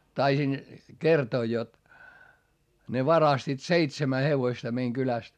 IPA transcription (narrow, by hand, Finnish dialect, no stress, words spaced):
tɑisin kertoː jot ne ʋɑrɑstiːt seitsemæ heʋoĭstɑ meiŋ kylæst